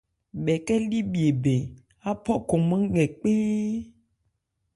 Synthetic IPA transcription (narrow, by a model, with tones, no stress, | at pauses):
bɛ˨kɛ˦li˦bi˨e˨be˨ | a˦pɔ˦kɔ˨mẽ˦ŋɛ˨k͡pe˦